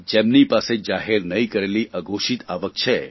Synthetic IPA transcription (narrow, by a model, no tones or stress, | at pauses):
d͡ʒemnipased͡ʒaɦeɾnəikəɾeliʔəɡʱoʃit̪aʋək̚t͡ʃʰe